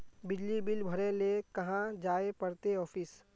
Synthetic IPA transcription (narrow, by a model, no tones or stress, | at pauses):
bɪd͡ʒlibɪlbʱəɾẽlekɐɦãd͡ʒaːepəɽt̪eɔːfʰis